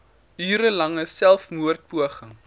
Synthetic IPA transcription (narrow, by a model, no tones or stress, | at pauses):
yːɾəlɐŋəssælˠfmuərt̚puəχəŋ